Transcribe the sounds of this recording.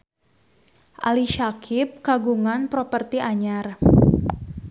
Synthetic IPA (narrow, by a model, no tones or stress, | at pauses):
ʔa̰liʃakʰɪp̚kaɡuŋanpɾopərt̪iʔaɲar